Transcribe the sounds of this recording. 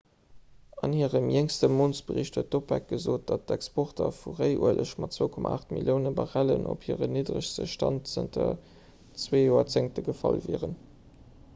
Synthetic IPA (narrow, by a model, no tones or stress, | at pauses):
ɑnhiːəʁəmjeŋstəmoːnsbəʁiɕthuətdopvæk̚ɡ̥əzoːt̚d̥ɑt̚dækspʰoχtɐfuʁəɪʔṵəlʔəʃmɑtt͡swoʊkʰɔma̰aːχtmḭljəʊnəbɑʁælənʔo̰phiəʁəniːdʁəɕstəʃtɑntt͡səntʰə | t͡sweːjoːɐt͡seŋtəɡəfɑlvɛːʁən